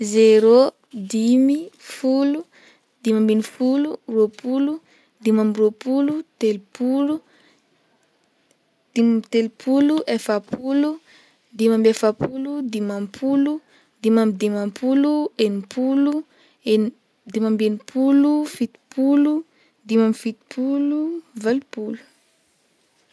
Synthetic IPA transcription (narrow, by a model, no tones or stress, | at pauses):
zeɾo | d̪imifulu | d̪imambinifuluropʰulu | d̪imamropulut̪elipʰulu | d̪̥imt̪elipʰuluʔefapʰulu | d̪imambefapʰulud̪imampʰulu | d̪imamid̪imampʰuluenipʰulu | en | d̪imambenipʰulufit̪i̥pʰulu | d̪imamifit̪i̥pʰuluvalipulu̥